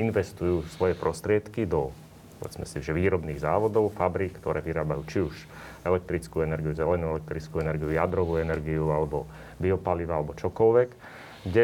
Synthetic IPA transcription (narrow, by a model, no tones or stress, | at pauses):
inʋɛst̪ujuːsʋɔjɛpɾɔst̪ɾɪɛt̪kid̪ɔ | ɔɛ̰t͡smɛ̰siʒɛʋiːɾɔbniːɣzaːʋɔd̪ɔʊfabɾiːkkt̪ɔɾʔɛːʋiɾaːbajuːt͡ʃiuʃ | ɛlɛk̚t̪ɾit͡skuːɛnɛɾɡijuzɛlɛnuɛlɛk̚t̪ɾit͡skuɛnɛɾɡijujad̪ɾɔʋuːɛnɛɾɡiualɛbɔ | biɔpaliʋaːalɛbɔt͡ʃɔkɔlʋɛk | ɡɟɛ